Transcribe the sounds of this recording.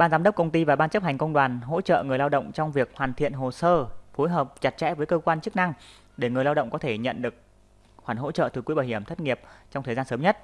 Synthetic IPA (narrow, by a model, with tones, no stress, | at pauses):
ɓaː˧nzaː˨˦mɗə˦˥k͡p̚kə˧wŋ͡mt̪i˧vaː˨˩ɓaː˧nt͡ɕə˦˥p̚ha˨˩jŋ̟kə˧wŋ͡mɗwaː˨˩nɦo̰˧˥t͡ɕə̰ː˧˨ŋɨ˨˩əjlaː˧wɗə̰˧˨wŋ͡mt͡ɕɔ˧wŋ͡mvi˨˩ək̚hwaː˨˩nt̪ʰḭ˧˨ənɦo˨˩səː˧fo˨˦jɦəː˨˩p̚t͡ɕa˨˩t̚t͡ɕɛ̰˧˥vəː˨˦jkəː˧kwaː˧nt͡ɕɨ˦˥k̚na˧ŋ | ɗe˧˩ŋɨ˨˩əjlaː˧wɗə̰˧˨ŋ͡mkɔ˨˦t̪ʰe˧˩ɲə̰˧˨nɗɨ˨˩ək̚ | xwaː˧˩nɦo̰˧˥t͡ɕə̰ː˧˨t̪ɨ˨˩kwɓaː˨˩jɦi˧˩əmt̪ə˦˥t̚ŋi˨˩əp̚t͡ɕɔ˧wŋ͡mt̪ʰəː˨˩zaː˧nsəː˨˦mɲə˦˥t̚